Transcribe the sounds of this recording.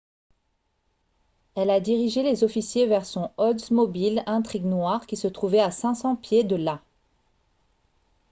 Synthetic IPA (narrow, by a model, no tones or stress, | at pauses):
ɛlad̪iʁiʒelezɔfisjevɛʁsɔ̃ɔd̪zmɔbilɛ̃t̪χiɡnwaʁkʲisət̪χuvɛasɛ̃sɑ̃pjed̪əla